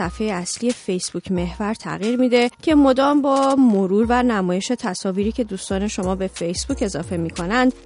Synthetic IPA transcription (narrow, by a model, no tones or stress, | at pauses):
æfejeæsliːje̞fe̞jsb̥ucʰme̞hvæɾt̪ʰæ̰ɣiːɾmiːd̪e̞cʰe̞mo̞d̪ɒːmbɒːmoɾuːɾvænæmɒːje̞ʃe̞t̪ʰæsɒːviːɾiːcʰe̞d̪uːst̪ɒːne̞ʃo̞mɒːbe̞fe̞jsb̥uːce̞zɒːfe̞miːkʰo̞nænd̪̥